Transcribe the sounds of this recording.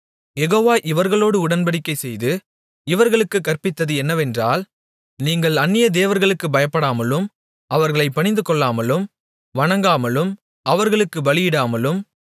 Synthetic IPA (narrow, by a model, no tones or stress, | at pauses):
jɛɣoːʋaːʔɪʋɐɾɣɐɭoːɽɯʊɽɐnbɐɽɪkːɐɪsɛjðɯ | ɪʋɐɾɣɐɭɯkːɯkːɐrpɪt̪ːɐðɯɛnːɐʋɛndraːl | niːŋɡɐɭɐnːɪjɐd̪eːʋɐɾɣɐɭɯkːɯbɐjɐpːɐɽaːmɐlɯm | ɐʋɐɾɣɐɭɐɪpːɐɳɪnd̪ɯkɔɭːaːmɐlɯm | ʋɐɳɐŋɡaːmɐlɯm | ɐʋɐɾɣɐɭɯkːɯbɐlɪjɪɽaːmɐlɯm